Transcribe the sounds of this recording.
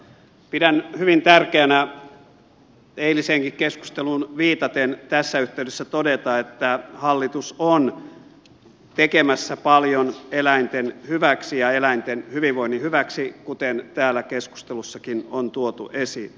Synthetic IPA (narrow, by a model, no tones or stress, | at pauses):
pidænhyʋint̪ærkeænæ | eiliseŋkikkesku̥st̪elunʋiːt̪ɑt̪ent̪æsːæyht̪eydesːæt̪odet̪ɑet̪ːæhɑlːit̪uson | t̪ekemæsːæpɑljonelæint̪enhyʋæksijɑelæint̪enhyʋiʋʋoinːihyʋæksikut̪ent̪æːlːˑækesku̥st̪elusːɑkinont̪uot̪ṵʔesi